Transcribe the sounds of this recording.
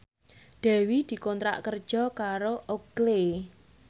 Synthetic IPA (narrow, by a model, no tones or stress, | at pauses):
ɖ̪̥ɛ̤wid̪̥i̤kɔnt̪ɾa̰ʔkərd̥ʒ̥ɔ̤kaɾoʔoɡ̥le